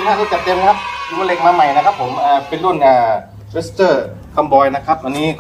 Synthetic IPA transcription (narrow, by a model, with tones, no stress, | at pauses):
nhaː˥˩uː˧˩t͡ɕa˨˩t̪̚t͡ɕe˧mkʰa˦˥p̚u˧le˧k̚maː˧ma˨˩jna˦˥kʰa˦˥pʰːo˩˦mʔaː˨˩pe˧nlu˥˩nʔaː˧˩ | ɾe˦˥st̪ɤː˥˩ | kʰa˧mbɔː˧jna˦˥kʰa˦˥p̚ʔwa˧nːiː˦˥k